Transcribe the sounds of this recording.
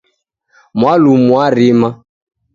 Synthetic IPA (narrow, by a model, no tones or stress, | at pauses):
mwalumwaɾima